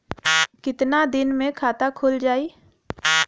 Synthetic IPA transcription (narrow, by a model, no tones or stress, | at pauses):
kɪt̪nad̪ɪnmẽkʰaːt̪akʰʊːld͡ʒaːiː